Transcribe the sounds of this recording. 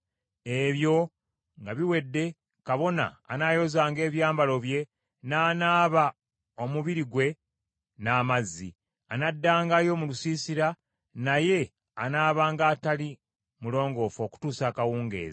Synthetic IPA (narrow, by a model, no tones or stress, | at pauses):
e̞βjo̞ | ŋɡaβiwe̞dːe̞ | kaβo̞na̰ːnaːjo̞zaːŋɡe̞ːβjaːmbalo̞βje̞ | naːnaːβa | o̞muβiɾiɡwe̞ | naːmazːi | anadːaːŋɡajo̞mulusiːsiɾa | naje̞ | anaːβaːŋɡaːtali | mulo̞ːŋɡo̞fo̞ːku̥tuːsaːkawuːŋɡe̞̰ːza